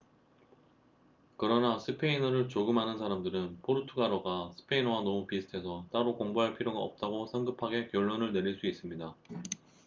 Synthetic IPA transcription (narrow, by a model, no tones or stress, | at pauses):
kɯɾʌnasʰɯpʰe̞inʌɾɯɭt͡ɕoɡɯmɦanɯnsʰaɾamdɯɾɯnpʰoɾutʰuɡaɾoɡasʰɯ̥pʰe̞inʌwanʌmupisʰɯ̥tʰe̞sʰʌt͈aɾokoŋboɦaɭpʰiɾjoɡaʌp̚t͈aɡosʰʌŋɡɯpʰaɡe̞kjʌɭːonɯɭne̞ɾiɭs͈uis͈ɯmɲida